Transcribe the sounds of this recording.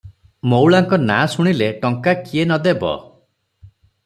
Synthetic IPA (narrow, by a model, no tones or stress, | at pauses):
mowɭaŋkɔnasuɽ̃ileʈɔŋkakienɔd̪ebɔ̰